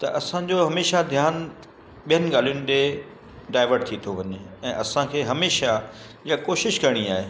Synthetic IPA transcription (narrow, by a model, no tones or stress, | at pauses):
t̪ɐ̰ʔɐsãd͡ʑoɦɐmeːʃad̪ʱjaːn | ɓijənɪ̆ɡaːl̤ijʊnɪ̆ɗ̪e | ɖaːɪʋəɾɖ̚t̪ʰit̪ʰoʋɐɲeɛ̃ːʔɐsãkʰeːɦɐmeːʃa | ijakoːʃɪʃkɐɾɽ̃iaːɦeː